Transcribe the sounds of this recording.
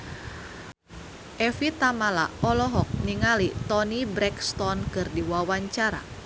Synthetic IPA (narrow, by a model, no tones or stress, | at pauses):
ʔɛfit̪amala̰ɔlɔɦɔk̚niŋalit̪ɔnibɾɛkst̪ɔnkɨrdiwawaɲt͡ʃaɾa̰